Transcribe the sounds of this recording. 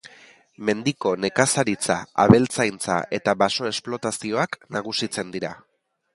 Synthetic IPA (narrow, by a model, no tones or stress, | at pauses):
me̞nd̪iko̞ne̞kasaɾit͡sa̰a̰βe̞lt͡sajnt͡sa̰ʔe̞t̪aβaso̞e̞splo̞t̪asio̞aknaɣ̞usit͡se̞nd̪iɾa